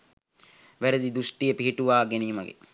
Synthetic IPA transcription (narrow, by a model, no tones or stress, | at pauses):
ʋæɾed̪id̪usʈijəpiɦiʈuʋaːɡeniːməɡḛ